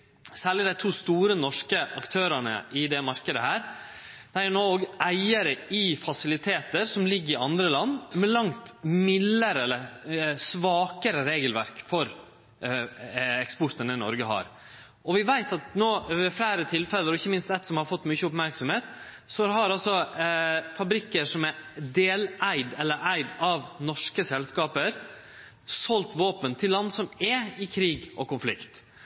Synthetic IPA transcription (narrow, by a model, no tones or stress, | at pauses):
sæːɭɪd̪æɪt̪ʰuːst̪uːɾənɔʂkəʔɑkt̪ʰøːɾɑnə̰ʔɪd̪ɛmɑɾkəd̪əhæːɾ | d̪̥ɛæɾjʊnoːɡæɪəɾəɪfɑsɪlɪt̪ʰeːt̪əɾsɔmlɪɡːəɾɪɑnd̪ɾəlɑnːmɛlɑŋt̪mɪlːəɾɛlːəsʋɑːkəɾəɾeːɡəlʋæɾkfɔɾ | ɛkspɔɾt̪ənəɪnɔ̰ɾɡəɦɑ̰ɾ | ʔɔʋɪʋæɪt̪ɑt̪noːʋɛflæːɾət̪ʰɪlfɛlːəɾɔɪçːəmɪnst̪ɛt̪sɔmhɑɾfɔt̪ːmʉçəʊpmæɾksɔmheːt̪ | sɔhɑɾɑlsɔ | fɑbɾɪkːəʂɔmɛd̪eːlæɪd̪ɛlːəɾæɪd̪ɑʋnɔʂkəsɛlskɑːpəɾ | sɔlt̪ʋoːpənt̪ʰɪlːɑnd̪sɔmɛɪkʰɾiːɡʔɔkʊnflɪkt̪